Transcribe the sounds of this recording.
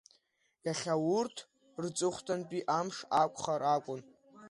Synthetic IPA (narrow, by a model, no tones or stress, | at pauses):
jaχʲawʊrtʰ | rt͡sʼɨχʷtʰʼanpʼiʔamʂakʷʰʼχaɾakʷʼʊn